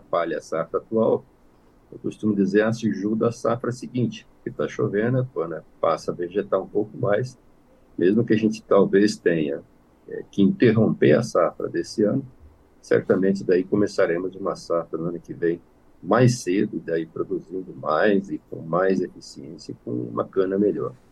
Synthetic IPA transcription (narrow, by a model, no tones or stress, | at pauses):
paʎɐɐsafɾɐat̪uaw | ewkost̪ũmʊd͡ʒ̪izeɾasɪʒud̪ɐːsafɾɐsɪɡĩnt͡ʃɪ̥kɪt̪aʃovẽd̪ɛkɐ̃nɐpasɐveʒet̪aɾũpowkʊmajs | mezmʊkɪaʒẽnt͡ʃɪ̥t̪awvest̪ẽɲɐ̰ | ɛ̰kɪĩnt̪eɦõmpeɾɐ̰safɾɐ̰d̪esɪɐ̃nʊ | sɛ̰ɾt̪ɐmẽnt͡ʃɪd̪aikõmesaɾẽmʊzũmɐsafɾɐnʊɐ̃nʊkɪvẽj̃ | majsed̪ʊɪd̪aipɾod̪uzĩnd̪ʊmajzɪkõ̰w̃majzefisiẽsiɐkõw̃ṵ̃mɐ̰kɐ̃nɐmeʎɔ̰ɾ